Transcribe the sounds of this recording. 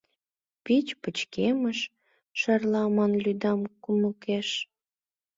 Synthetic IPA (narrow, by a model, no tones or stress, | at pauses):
pit͡ɕpət͡ɕkeməʃ | ʃərlɑmɑnlyd̪ɑmkuməkeʃ